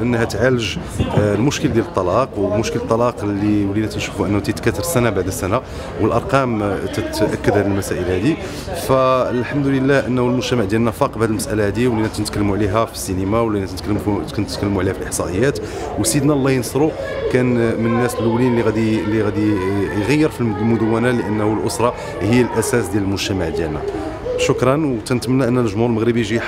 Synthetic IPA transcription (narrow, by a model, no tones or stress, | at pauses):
ʔənːhæt̪ʕaləʒlmʊʃkəld̪jælət̪ˤːɑlɑqwəmʊʃkəlt̪ˤːɑlɑqlːiwlːinæt̪ənʃu̥fuʔənːhut̪it̪kæt̪ɑɾˤsænabaʕd̪əsːæna | wəlʔɑɾˤqɑmt̪æt̪ʔækːəd̪hæləlmæsæʔəlhæd̪i | fælħamd̪uləlːæhʔənːhulmʊʒt̪æmaʕd̪jælnæfɑqbaʕæd̪əlməsʔælæhæd̪iwəlːinæt̪nət̪kəlːəmuʕliɦæfi̥sːinimawlːinæt̪nt̪ːt̪knt̪ət̪kəlːmuʕlihæfilʔəħsˤɑʔəjːæt̪ | wsid̪nælˤːɑjnsˤɾukænmənnːæslːəwlinlːiɣæd̪ilːiɣæd̪ijɣæjːəɾfillmʊd̪əwːænæləʔənːhulʔosɾˤɑ | həjːælʔæsæsd̪jæləlmʊʒt̪æmaʕd̪jælnæ̰ | ʃʊkɾˤɑnwt̪ænət̪mənːæʔənːænəʒmulməɣɾəbiʒiħ